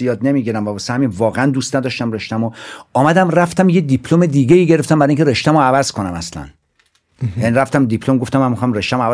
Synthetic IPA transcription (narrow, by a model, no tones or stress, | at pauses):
jɒːd̪ne̞miːɡiɾæmvæbɒsehæminvɒːɣeænd̪uːst̪næd̪ɒʃt̪æmreʃt̪æmoɒːmæd̪æmræft̪æmje̞d̪ipʰlome̞d̪iːɡe̞iːɟeɾeft̪æmbæɾɒiŋcʰeɾeʃt̪æmoævæzkʰo̞næmæslæ̰n | jæniɾæft̪æmd̪ipʰlomɡo̞ft̪æmːæmixɒmreʃt̪æmoæv